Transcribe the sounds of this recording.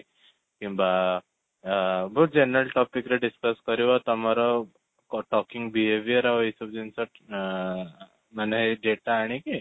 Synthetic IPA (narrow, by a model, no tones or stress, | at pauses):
kĩmba | bʱoːʈ̪̚d͡ʑenəɾəlʈɔpikɾeɖiskəskəɾiʋat̪ɔmaɾɔ | ʈɔkiŋɡbiɦeʋijəɾaʋisup̚d͡ʑinsaʈ | maneɦeɖeʈaːɽ̃iki